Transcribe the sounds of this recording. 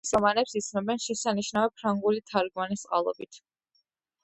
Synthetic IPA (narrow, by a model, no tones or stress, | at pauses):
sɔmanɛpsit̪sʰnɔbɛnʃɛsaniʃnavɛpʰɾaŋɡulit̪ʰaɾɡmanist̪sʼqʼa̰lˠɔ̰bit̪ʰ